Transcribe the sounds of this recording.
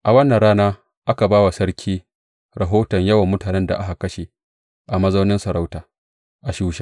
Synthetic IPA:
ʔa˨wɐ˦nːɐ˨ɾaː˦naː˦ | ʔa˦ka˨baː˦wa˨sɐ˦ɾkʲʰiː˦ | ɾa˨ɦoː˦tɐ˨ɲjɐ˦wɐ˨mːʊ˦taː˨nɛ˦nda̰˨ʔa˦ha˨kɐ˦ʃe˨ | ʔa˨mɐ˦za˦wnɪ˦nsɐ˨ɾa˦wtaː˨ | ʔa˨ʃuː˦ʃa˦

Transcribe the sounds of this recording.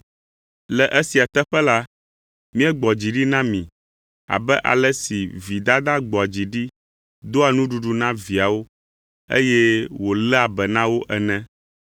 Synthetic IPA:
lɛ˨ʔɛ˦si˨a˨t̪ɛ˦ɸɛ˦la˦ | mĩ˦ɛ˦ɡ͡bɔ˨d͡ʑi˨ɖi˦nã˦mĩ˨ | a̰˨bɛ˦ʔa̰˨lɛ˦si˨vi˨d̪a˦d̪a˦ɡ͡bɔ˨d͡ʑi˨ɖi˦ | d̪o˦a˨nũ˦ɖu˨ɖu˦nã˦vi˨a˨wo˦ | ḛ˦jɛ˦wo˨lɛ˦a˨bɛ˨nã˦wo˦ʔɛ˨nɛ̃˦

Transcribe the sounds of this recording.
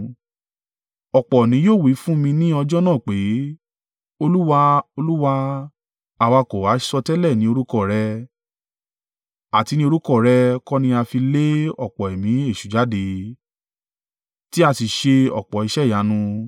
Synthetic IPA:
ɔ˨k͡pɔ˨nĩ˨˦joː˦˨wi˨˦fũ˦mĩ˧nĩ˦ɔ˧d͡ʒɔ˦nã˦˨k͡pe˨˦ | o˧lu˦wa˧o˧lu˦wa˧ | a˨wa˧ko˨wa˨˦ʃɔ˧tɛ˦lɛ˦˨nĩ˨˦o˧ɾu˦kɔ˦˨ɾɛ˧ | a˨ti˧nĩ˦o˧ɾu˦kɔ˦˨ɾɛ˧kɔ˦nĩ˧a˧fi˧le˦ɔ˦˨k͡pɔ˨e˨mĩ˨˦e˦˨ʃu˨d͡ʒa˨˦de˧ | ti˦a˧ti˨ʃe˧ɔ̰˨k͡pɔ˨i˨˧ʃɛ˦˨ja˨˦nũ˧

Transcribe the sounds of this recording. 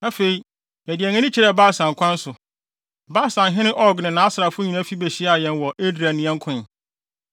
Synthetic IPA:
a˦fe˨i˨ | mæ˨dɪ˨æ˨ɲɛ̃˦nɪ̃˦t͡ɕʰi˦ɾɛ˦˨baː˦˨sã˨ŋ˨kʰʷã˦n̩˦sʊ˨ | baː˦˨sã˨nɦɪ̃˦nɪ̃˦ʔɔ˦ɡnɪ̃˨nã˨a˦sɪ˨ɾa˨fʊʊ˦ɲĩ˨nã˦fi˦be˨ɕi˦a˨jɛ̃˨nwɔ˨ʔe˦dɾæ˨nɪ̃˨ɛ̃˦ŋ˦kʰʊ̃˦˨

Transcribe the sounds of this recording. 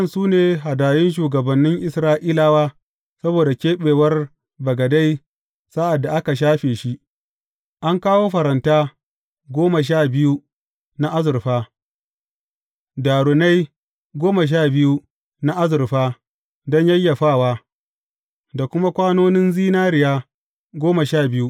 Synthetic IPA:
ɐ˦nsuː˦neː˨ɦa˨daː˨jɪ˦nʃ̬uː˨ɡɐ˨bɐ˨nːɪ˦ŋʔɪ˨sɾaː˦ʔiː˦laː˨waː˦ | sɐ˦boː˨da˨kʲeː˦ɓeː˨wɐ˦r | bɐ˨ɡɐ˨da˦j | sa˦ʔa˨dːa˨ʔa˦ka˨ʃ̬aː˦ɸeː˨ʃi˦ | ʔa˦ŋkaː˦woː˦ɸɐ˨ɾɐ˨ntaː˦ | ɡʷoː˦ma˨ʃ̬aː˦˨bɪ˦ju˦ | na˦ʔa˦zʊ˨ɾɸaː˦ | daː˨ɽʊ˨na˦j | ɡʷoː˦ma˨ʃ̬aː˦˨bɪ˦ju˦ | na˦ʔa˦zʊ˨rɸaː˦ | dɔ˦ɲjɐ˦jːa˨ɸaː˦˨waː˦ | da˨kʷʊ˦ma˦kʷaː˦noː˦nɪ˦nziː˦naː˦ɾɪ˨jaː˦ | ɡʷoː˦ma˨ʃaː˦˨bɪ˦ju˦ʔ

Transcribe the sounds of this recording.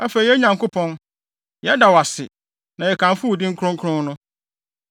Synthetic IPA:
a˦fe˨i˨˦ɛ˦ɲã˨ŋkʊ˦pʰɔ̃˦n | jɛ˦da˨wa˨sɪ̰˨ | nã˨jɛ˨kʰã˨m˦fʊ˦wdɪ̃˦ŋ̩˦kʰɾʊ̃˦ŋ̩kʰɾʊ̃˦n˦nʊ̃˦

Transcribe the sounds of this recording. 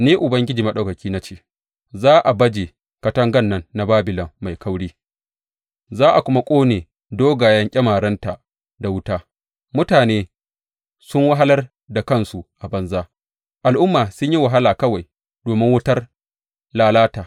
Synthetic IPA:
niː˦ʔʊ˨bɐ˦ŋɡʲɪ˦d͡ʒiː˨mɐ˦ɗɐ˨kɐ˨kʲiː˦na˦t͡ʃeː˦ | zaː˦ʔa˨bɐ˦d͡ʒeː˨ | kɐ˦tɐ˦ŋɡɐ˦˨nːɐ˦nːa˨baː˦bɪ˨lɐ˨mːa˨jkʰɐ˦wɽiː˦ | zaː˦ʔa˨kʷʊ˦ma˦kʷʼoː˦neː˨ | doː˦ɡaː˨jɐ˦ŋkʲʼɐ˦maː˨ɽɐ˦nta˨ʔ | da˨wʊ˦taː˦ | mʊ˦taː˨neː˦ | sʊ˦ŋwa˦ɦa˦lɐ˦r | da˨kɐ˦nsu˨ʔa˨bɐ˦nzaː˦ | ʔa˨lʔʊ˦mːaː˨sʊ˦ɲji˦wa˨ɦa˦laː˨kɐ˦wa˨j | doː˨mɪ˦ŋwʊ˦tɐ˦r | laː˦laː˦ta˨

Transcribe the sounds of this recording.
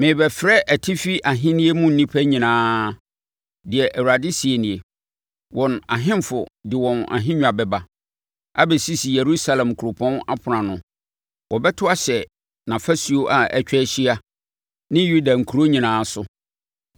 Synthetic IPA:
mɪ̃˨˦bɛ˨fɾɛ˦ʔæ˨tʰi˦fi˦ʔa˨ɦɪ̃˦nɪ̃˦e˦mʊ̃˦n̩˨nĩ˦pʰæ˦ɲĩ˨nãː˦ | dɪ˨ɛ˨ʔæ˨wu˨ɾa˨dɪ˦si˨e˨nɪ̃˨e˨ | wɔ̃˨na˨ɦɪ̃˦mfʊ˨dɪ˨wɔ̃˨na̰˨ɦɪ̃˦ɲᶣ˦˨a˨bɛ˦ba˨ | a̰˦bɛ˨si˦si˨je˨ɾu˦sa˨lɛ̃˨mkʰu˨ɾo˨pʰɔ̃˦na̰˦pʰʊ˨ɾã˨nʊ̃˨ | wʔɔ˨bɛ˦tʰʊ˦a˦ɕɛ˨ | nã˨fæ˦si˨o˦ʔa˨æ˨t͡ɕᶣɛ˦ɕi˦a˦ | nɪ̃˦ju˦da˨ŋ̩˨kʰu˨ɾo˦ɲĩ˨nãː˨˦sʊ˦

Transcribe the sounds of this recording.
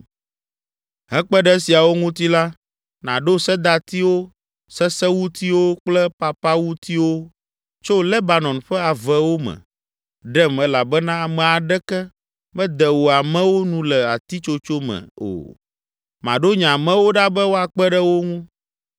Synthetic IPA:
ɦɛ˦k͡pɛ˦ɖɛ˦si˨a˨wo˦ŋũ˦t̪i˦la˦ | nã̰˨ɖo˦sɛ˦d̪a˨t̪i˦wo˦ | sɛ˦sɛ˦wu˦t̪i˦wo˦k͡plɛ˦pa˨pa˦wu˦t̪i˦wo˦ | t͡ʃo˦lɛ˦ba˨nɔ̃˨nɸɛ˦a˨vɛ˦wo˦mɛ̰̃˨ | ɖɛ˦mɛ˦la˨bɛ˦nã˦˨mɛ̃˨a˨ɖɛ˦kɛ˦ | bɛ̃˦d̪ɛ˨wo˨a˨mɛ̃˦wo˦nũ˦lɛ˨a˨t̪i˦t͡ʃo˦t͡ʃo˦mɛ̰̃˨o̰˨ | mã̰˨ɖo˦ɲã˨mɛ̃˦wo˦ɖa˦bɛ˦wo˦a˨k͡pɛ˦ɖɛ˦wo˦ŋũ˦

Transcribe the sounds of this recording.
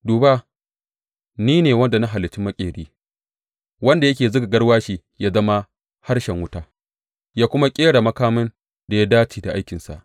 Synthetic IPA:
duː˨ba˦ | niː˦neː˨wɐ˦nda˨na˦ɦa˨lɪ˨t͡ʃːɪ˦mɐ˦kʲʼeː˨ɽiː˦ | wɐ˦nda˨jɐ˦kʲeː˨zʊ˦ɡa˨ɡɐ˦ɽwaː˦ʃi˦ | jaː˦zɐ˦ma˦ | ha˦ɽʃɛ˨ŋwʊ˦taː˦ | jaː˦kʷʊ˦ma˦kʲʼeː˦ɽa˨mɐ˦kaː˦mɪ˦n | da˨ja˦daː˦t͡ʃiː˨da˨ʔa˦jkʲɪ˨nsa̰˨ʔ

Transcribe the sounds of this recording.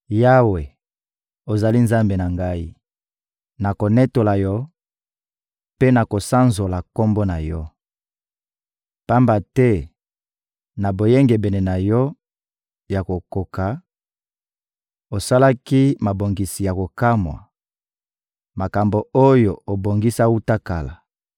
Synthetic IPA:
ja˦we˨ | o˨za˨li˦nza˦mbe˨na˨ŋɡa˦i˦ | na˨ko˨nɛ˦to˨la˨jɔ˦ | pe˦na˨ko˨sa˦nzo˨la˨ko˦mbo˦na˨jɔ˦ | pa˦mba˨tɛ˦ | na˨bo˨je˦ŋɡe˨bɛ˨ne˨na˨jɔ˦ | ja˨ko˨ko˨ka˨ | o˨sa˦la˦ki˦ma˨bo˨ŋɡi˨si˨ja˨ko˨ka˦mwa̰˨ | ma˨ka˨mbo˨o˦jo˨o˨bo˨ŋɡi˦sa˦u˦ta˦ka˨la˨

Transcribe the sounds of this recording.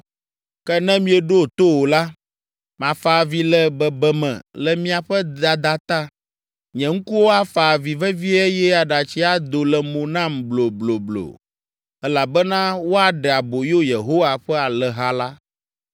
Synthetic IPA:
kɛ˦nɛ̃˦mĩ˦ɛ˨ɖo˦˨t̪o˦wo˨la˦ | mã˨fa˨vi˦lɛ˦bɛ˨bɛ˦mɛ̰̃˨lɛ˨mĩ˦a˨ɸɛ˦a˨d̪a˦t̪a˦ | ɲɛ̃˨ŋ̩˦ku˦wo˦a˦fa˨vi˨vɛ˦vi˦ɛ˦jɛ˦a˨ɖa˨t͡ɕi˦a˦d̪o˨lɛ˨mõ˨nã˦˨mblo˨blo˨blo̰˨ | ɛ˦la˨bɛ˦nã˦wo˦a˨ɖɛ˨a˨bo˨jo˦je˨ɦo˦wa˨ɸɛ˦a˨lɛ˨ɦa˦la˦

